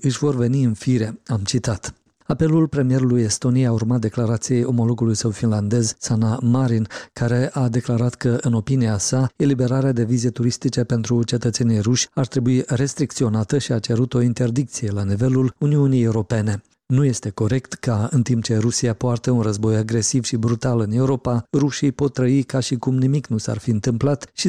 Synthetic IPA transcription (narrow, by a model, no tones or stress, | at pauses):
ɨʃʲvo̞rve̞niɨnfiɾe̞amt͡ʃit̪at̪ | ape̞lulpɾe̞mije̞ɾuluje̞st̪o̞nijejaurmat̪̚d̪e̞klaɾat̪sije̞jo̞mo̞lo̞ɡulujsəwfinland̪e̞zsanamaɾinkaɾe̞ʔad̪e̞klaɾat̪kəɨno̞piniasae̞libe̞ɾaɾead̪e̞vize̞t̪uɾist̪it͡ʃe̞pe̞nt̪ɾut͡ʃe̞t̪ət̪se̞niejruʃʲart̪ɾe̞buiɾe̞st̪ɾikt̪sio̞nat̪əʃiat͡ʃe̞ɾut̪o̞int̪e̞rd̪ik̚t̪sije̞lanive̞luluniunijeuɾo̞pe̞ne̞ | nuje̞st̪e̞ko̞ɾe̞kt̪kaɨnt̪imp̚t͡ʃe̞ɾusiapoart̪eunrəzbo̞jaɡɾe̞siv̥ʃibɾut̪alɨne̞uɾo̞paruʃijpo̞t̪ːɾəikaʃikumnimiknusa̰rfiɨnt̪ɨmplat̪ʃi